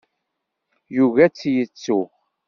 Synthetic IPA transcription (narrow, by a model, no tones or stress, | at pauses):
juvæt͡sːjət͡sːu